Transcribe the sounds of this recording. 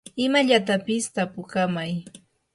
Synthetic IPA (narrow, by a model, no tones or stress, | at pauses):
ɪmaʎat̪apɪst̪apʊkamaj